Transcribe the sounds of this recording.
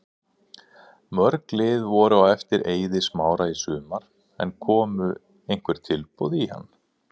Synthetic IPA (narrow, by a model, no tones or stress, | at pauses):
mœɾklɪðvɔɾʏaɛft̪ɪɾʔeːjðɪsmaːwɾaisʏːmaɾ̥ | ɛ̰nkʰɔːmʏ | ejn̥kʰvɛɾ̥t̪ʰɪlpuwðiha̰nː